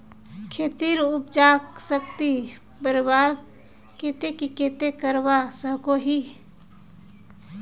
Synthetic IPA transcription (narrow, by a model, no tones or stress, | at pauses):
kʰeːt̪iɾup̚d͡ʒaksək̚t̪i | bəɾbaɾ | ket̪ekiket̪ekəɾbasəɦkoɦi